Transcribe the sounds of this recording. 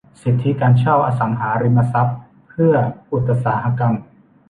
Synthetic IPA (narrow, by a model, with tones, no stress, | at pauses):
si˨˩t̪ʰːi˦˥kaː˧nt͡ɕʰa˥˩wʔaː˧sa˩˦ŋɦaː˩˦ɾi˧ma˧sa˦˥p̚ʰː | ɯ˥˩ɐʔu˨˩t̪ːa˧saː˩˦ɦa˧ka˧m